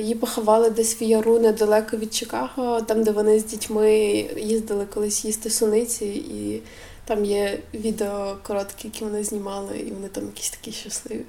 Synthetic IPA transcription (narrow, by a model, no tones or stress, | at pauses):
jipɔxɐʋɑlˠɪd̪ɛsʲʋjɐɾunɛd̪ɐlˠɛkɔʋʲid̪̚t͡ʃɪkɑɦɔt̪ɑmd̪ɛʋɔnɪzʲdʲitʲmɪjizd̪ɪlˠɪkɔlˠɪsʲjist̪ɐsʊlˠnɪt͡sʲiḭ | t̪ɑmjɛʋʲid̪eɔkɔɾɔt̪kʲɪjɐkʲiʋɔnɪzʲnʲimɑlˠɪ̰ḭʋɔnɪt̪ɑmjɐkʲi̥sʲt̪ɐ̥kʲiʃɐslˠɪʋʲi